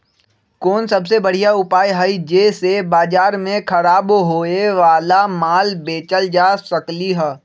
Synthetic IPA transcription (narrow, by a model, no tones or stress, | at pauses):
koːnsɐbsebɐɽ̤ijaʊpaːjɦaid͡ʒeːsebaːd͡ʒaːɾmẽkʰɐɾaːbɦoːeʋaːlamaːlbeːt͡ʃəld͡ʒaːsəkliɦɛː